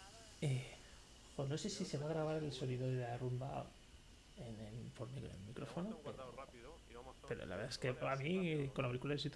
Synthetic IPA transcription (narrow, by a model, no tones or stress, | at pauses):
e | xono̞sesise̞βaɣ̞ɾaβ̞aɾe̞lso̞niðoðelarumba̰ | enelfoɾmikonḛlmikɾofonopeɾo̰ | pe̞ɾo̰laβeɾðaeskeamikonaβikulaðes̬it̪